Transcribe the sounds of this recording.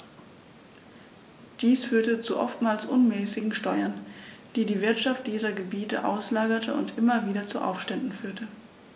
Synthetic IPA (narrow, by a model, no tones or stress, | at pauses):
d̥iːsfyːɐtət͡suʔɔ̰ftmaːlsʔʊnmɛːsɪɡŋ̩ʃtɔʏɐnd̥iːdiːvɪɐtʃaft̚d̥iːzɐɡəbiːtə̰ʔa̰ʊslaːɡɐtʰəʊ̰ntʔɪmɐviːɾɐt͡suʔa̰ʊfʃtɛndn̩fyːɐtʰə